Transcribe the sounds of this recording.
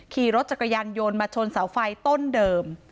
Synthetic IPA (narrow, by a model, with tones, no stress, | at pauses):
kʰiː˧˩ɾo˦˥t̪̚t͡ɕa˨˩kːa˧jaː˧njo˧nmaː˧t͡ɕʰo˧nsa˩˦wfa˧jt̪o˥˩ndɤː˧m